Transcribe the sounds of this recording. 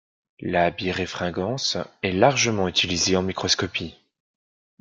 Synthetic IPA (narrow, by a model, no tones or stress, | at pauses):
labiʁefχɛ̃ɡɑ̃sɛlaʁʒəmɑ̃yt̪ʰilizeɑ̃mikχɔskɔpi